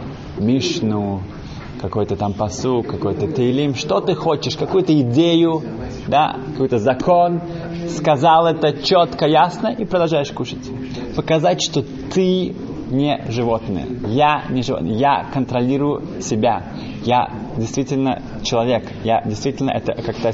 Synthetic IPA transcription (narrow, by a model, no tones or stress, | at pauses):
mʲiʂnʊ | kɐkojt̪ət̪ampɐsukːɐkojt̪ət̪ʲɪɪlʲimʂt̪ot̪ɨxot͡ɕɪʂkɐkujʊt̪əɪdʲejʊ | d̪a̰kɐkojt̪əzɐkʰon | skɐzalˠɛt̪ət͡ɕot̪kəjasnəʔipɾəd̪ɐlˠʐajɪʂkuʂətʲ | pəkɐzatʲʂt̪o | t̪ɨ | nʲeʐɨvot̪nɨ̰jə̰janʲɪʐɨvot̪nə̰jəja̰kənt̪ɾɐlʲiɾʊjʊ | sʲɪbʲa | ja̰dʲɪjst̪vʲitʲɪlʲnə̰ | t͡ɕɪlˠɐvʲe̞k | ja̰dʲɪjst̪vʲitʲɪlʲnə̰ʔɛt̪əkakt̪a